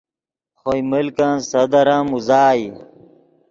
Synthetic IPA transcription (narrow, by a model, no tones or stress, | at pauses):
xoimilkãːnsɐd̪ɐɾãːmuzaːi